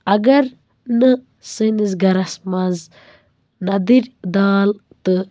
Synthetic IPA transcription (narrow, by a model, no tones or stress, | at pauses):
ɐɡɐɾ | nɨ | sɨnizɡɐɾɐsmɐz | nɐd̪iɾʲd̪aːlt̪ɨ